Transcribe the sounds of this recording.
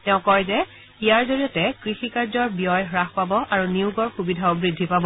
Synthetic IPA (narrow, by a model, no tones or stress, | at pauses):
tɛʊ̃kɔɹzɛ | ijaɹzoɹijɔtɛkɹixikaɹzɔɹbijɔjɦɹaxpabɔʔaɹuniuɡɔɹxubidʱaobɹidʱːipabɔ